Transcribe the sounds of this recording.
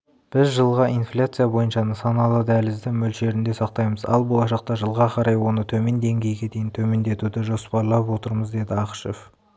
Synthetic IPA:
b̥ɪzʒəlˠʁɑinflʲat̪sɨjabo̞jənʃɑnəsɑnɑlˠəd̪ælɪzd̪ɪmɵlʃe̞ɾɪnd̪e̞sɑqt̪ɑjməzɑ̰lˠbolˠɑʃɑqt̪ɑʒəlˠʁɑqʰɑɾɑjwo̞nət̪ʰɵme̞nd̪e̞ŋɡʲe̞jɡʲe̞d̪e̞jɪnt̪ʰɵme̞nd̪e̞t̪ud̪ɪʒo̞spɑɾlˠɑpwo̞t̪əɾməzd̪e̞d̪ɪɑqəʃef

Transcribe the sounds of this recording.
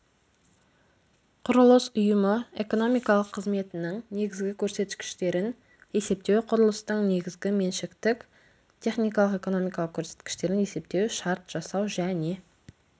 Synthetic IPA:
qʰʊɾʊlˠəsʊjəməe̞ko̞no̞mijkɑlˠəqʰːəzme̞t̪ɪnɪŋne̞ɡʲɪzɡʲɪkʲʰɵɾse̞t̪kʲɪ̥ʃt̪e̞ɾɪn | e̞se̞p̚t̪e̞wqʰʊɾʊlˠəst̪əɴne̞ɡʲɪzɡʲɪme̞nʃɪkt̪ɪkʲ | t̪ʰʲe̞χnijkɑlˠəqe̞ko̞no̞mijkɑlˠəq̚kʲʰɵɾse̞t̪kʲɪ̥ʃt̪e̞ɾɪne̞se̞p̚t̪e̞wʃɑɾt̪ʒ̥ɑsɑwʒæne̞

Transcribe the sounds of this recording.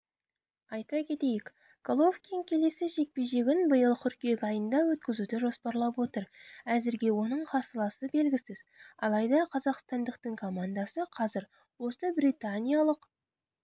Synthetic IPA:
ɑjt̪ɑkʲʰe̞t̪e̞jɪkʲ | kolˠofkʲiŋkʲʰe̞le̞sɪʒe̞k̚pe̞ʒe̞ɡʲɪnbəjəlˠtʲʰʏɾkʲijekʲɑjənd̪ɑwɵt̪̚kʲɪzud̪ɪʒo̞spɑɾlˠɑpwo̞t̪əɾæzɪɾɡʲe̞wo̞nəɴqʰɑɾsəlˠɑsəbe̞lɡʲɪsɪz̥ɑ̰lˠɑjd̪ɑqʰɑzɑqst̪ɑnd̪əq̚t̪əɴkʰo̞mand̪ɑsəqʰɑzɪɾ | wo̞səbrit̪anʲijalˠəq

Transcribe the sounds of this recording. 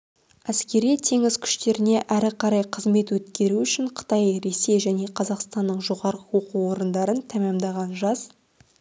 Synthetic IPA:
æskʲe̞ɾijt̪ʰe̞ŋɪz̥kʲʰʏ̥ʃt̪e̞ɾɪne̞ʔæɾɪqʰɑɾɑjqʰəzme̞t̪wɵt̪kʲe̞ɾuʏʃɪɴqʰə̥t̪ɑjɾe̞se̞jʒæne̞qʰɑzɑqst̪ɑnːəɴʒo̞ʁɑɾəwo̞quwo̞ɾənd̪ɑɾənt̪ʰæmemd̪ɑʁɑnʒɑz̥

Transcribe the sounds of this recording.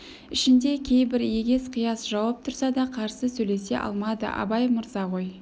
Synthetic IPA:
ɪʃɪnd̪e̞kʲʰe̞jbɪɾje̞ɡʲe̞sqʰijɑsʒɑwɑp̚t̪ʰʊɾsɑd̪ɑqʰɑɾsəsɵjle̞se̞̰ʔɑ̰lˠmɑd̪ə̰ʔɑ̰bɑjmʊɾzɑʁo̞j

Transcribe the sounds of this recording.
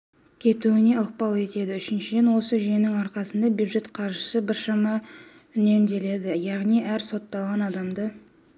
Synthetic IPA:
kʲʰe̞t̪uɪne̞ʊq̚pɑlˠe̞t̪e̞d̪ɪʏʃɪnʃɪd̪e̞nwo̞səʒijenɪŋɑɾqɑsənd̪ɑbjud̪ʒe̞t̪qʰɑɾʒəsəbɪɾʃɑmɑ | ʏne̞md̪e̞le̞d̪ɪjɑʁnijæɾso̞t̪ːɑlˠʁɑnɑd̪ɑmd̪ə

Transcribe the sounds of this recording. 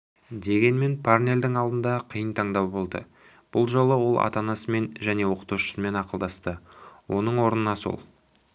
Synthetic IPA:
d̪e̞ɡʲe̞nme̞npʰarne̞ld̪ɪŋɑlˠd̪ənd̪ɑqʰəjənt̪ʰɑɴd̪ɑwbo̞lˠd̪ə̰ | b̥ʊlˠʒo̞lˠəwo̞lˠʔɑ̰t̪ɑnɑsəme̞nʒæne̞wo̞qə̥t̪uwʃə̥səme̞nɑqəlˠd̪ɑst̪əwʔo̞nəɴwo̞ɾənənɑso̰lˠ

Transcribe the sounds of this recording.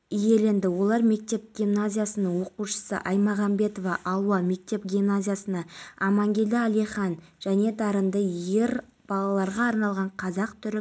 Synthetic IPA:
ije̞le̞nd̪ɪwo̞lˠɑɾme̞k̚t̪e̞p̚ɡʲimnazʲijasənəŋwo̞quʃə̥sə̰ʔɑjmɑʁɑmbe̞t̪o̞vɑʔɑlˠwɑme̞k̚t̪e̞pɡʲimnazʲijasənɑɑmɑŋɡʲe̞ld̪ɪælijχɑnʒ̥æne̞d̪ɑɾənd̪əje̞ɾ | b̥ɑlˠɑlˠɑɾʁɑːɾnɑlˠʁɑɴqʰɑzɑqt̪ʰʏɾɪ

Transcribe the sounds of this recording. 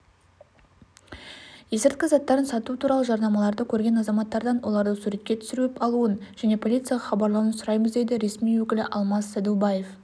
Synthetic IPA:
je̞sɪɾt̪̚kʲɪzɑt̪ːɑɾənsɑt̪ut̪ʰuɾɑlˠəʒɑɾnɑmɑlˠɑɾd̪əkʲʰɵɾɡʲe̞nɑzɑmɑt̪ːɑɾd̪ɑnwo̞lˠɑɾd̪əsuɾe̞t̪̚kʲe̞t̪ʰʏ̥sɪɾuɪpɑlˠuənʒ̥æne̞pʰo̞lʲit̪sɨjɑʁɑχɑbɑɾlˠɑwənsʊɾɑjməzd̪e̞d̪ɪɾe̞smijwɵkʲɪlɪʔɑlˠmɑsːæd̪ubɑje̞f

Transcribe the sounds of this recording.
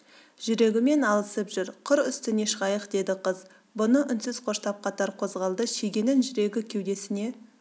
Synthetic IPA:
ʒ̥ʏɾe̞ɡʲɪme̞nɑlˠəsəpʒʏɾqʰʊɾʏst̪ɪne̞ʃəʁɑjəqd̪e̞d̪ɪqʰəz | bʊnəʔʏnsɪz̥qʰo̞ʃt̪ɑp̚qʰɑt̪ɑɾqʰo̞zʁɑlˠd̪əʃeɡʲe̞nɪnʒʏɾe̞ɡʲɪkʲʰewd̪e̞sɪne̞

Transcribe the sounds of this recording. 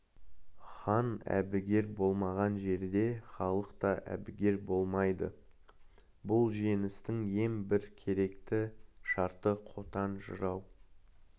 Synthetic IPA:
χɑnæ̰bɪɡʲe̞ɾbo̞lˠmɑʁɑnʒe̞ɾd̪e̞χɑlˠəqt̪ɑʔæ̰bɪɡʲe̞ɾbo̞lˠmɑjd̪ə̰ | bʊlˠʒe̞nɪst̪ɪŋe̞ŋbɪɾkʲʰe̞ɾe̞kt̪ɪʃɑɾt̪əqʰo̞t̪ɑnʒə̰ɾɑw

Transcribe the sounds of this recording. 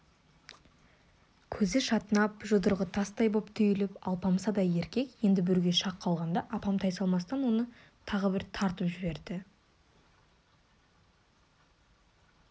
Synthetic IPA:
kʲʰɵzɪʃɑt̪ənɑp̚ʒʊd̪əɾʁət̪ʰɑst̪ɑjbo̞pt̪ʰʏjɪlɪpɑlˠpʰɑmsɑd̪ɑje̞ɾkʲe̞kje̞nd̪ɪbɪɾɡʲe̞ʃɑqʰːɑlˠʁɑnd̪ɑʔɑpɑmt̪ʰɑjsɑlˠmɑst̪ɑnwo̞nə | t̪ʰɑʁəbɪɾt̪ʰɑɾt̪əpʒɪbe̞ɾd̪ɪ

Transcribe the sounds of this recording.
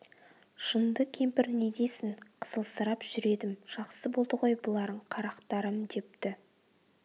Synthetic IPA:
ʒənd̪əkʲʰe̞mpɪɾne̞ɡ̪ʲe̞sɪŋqʰə̥z̥əlˠsəɾɑpʒ̥ʏɾe̞d̪ɪmʒ̥ɑqsəbo̞lˠd̪əʁo̞jbʊlˠɑɾd̪əɴqʰɑɾɑqt̪ɑɾəmd̪e̞p̚t̪ɪ

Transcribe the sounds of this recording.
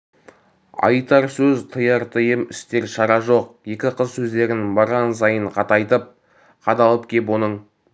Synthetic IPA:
ɑ̰jt̪ɑɾsɵzt̪ʰəjɑɾt̪ʰəjəmɪ̰st̪e̞ɾʃɑɾɑʒo̞q̚je̞kʲɪqʰəzsɵzd̪e̞ɾɪnbɑɾʁɑns̬ɑjəɴqʰɑt̪ɑjt̪əp̚ | qʰɑd̪ɑlˠəp̚kʲʰe̞p̬wo̞nəɴ

